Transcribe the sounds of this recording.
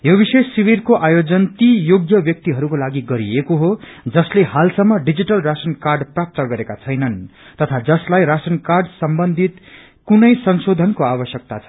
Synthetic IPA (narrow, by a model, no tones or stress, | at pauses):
jobisesːiβirkoʔajod͡zʌnt̪ijoɡjʌbjʌk̚t̪iɦʌɾukolaɡiɡʌɾiekoɦod͡zʌslehalsʌmːʌɖid͡ziʈʌlrasʌnkarɖprap̚t̪ʌɡʌɾekat͡sʰʌjnʌnt̪ʌt̪ʰad͡zʌslajɾasʌnkarɖsʌmbʌnd̪ʱit̪ | kunʌjsʌnsod̪ʱʌnkoabʌsjʌk̚t̪at͡sʰʌ̥